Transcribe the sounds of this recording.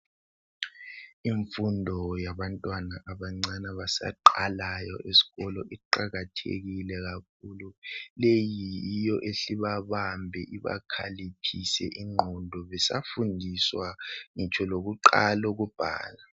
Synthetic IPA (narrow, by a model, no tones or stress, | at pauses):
iɱfundʱɔjaβantʼwanaʔaβaŋ͡ǀanaβasa̰ǃalajɔʔesi̥ɣɔlɔʔiǃaɣatʰḛɣilɛɣak̚ʰululejijɔʔeɬiβaβambʱɛʔiβa̰kʰalipʰisɛ̰ʔiŋ͡ǃʱɔndʱɔβɛsa̰fundʱiswaŋit͡ʃʼʰɔloɣuǃaloɣub̥ʱa̰ːla